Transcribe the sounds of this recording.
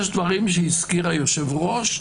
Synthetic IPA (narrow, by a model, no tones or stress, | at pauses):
ʃd̪vaʁimʃ̬eiskiʁajoʃevʁo̞ʃ